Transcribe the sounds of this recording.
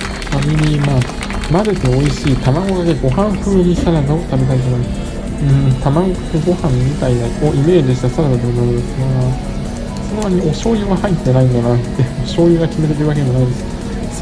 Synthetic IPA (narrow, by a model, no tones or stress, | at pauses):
kamʲiɲimaː | mad̪e̞t̪e̞o̞iɕiːt̪amaɡo̞ɡakeɡo̞hãɰ̃ɸɯ̟ːɲit̪aɾad̪ot̪abe̞t̪̬ait̪omo | ɯ̟̃t̪amaɡokɯɡo̞hãmːʲit̪ainakoʔime̞ːʑiɕ̬i̥t̪asaɾab̪ad̪emonaɾɯd̪esɡaaa | sonomaɲ̟io̞ɕo̞ːjɯ̟ɡahait̪ːe̞naĩnd̪anat̪ːeɯoɕo̞ːjɯ̟ɡakʲime̞t̪̬eɾɯβak̬eemo̞naĩnd̪esɨ̥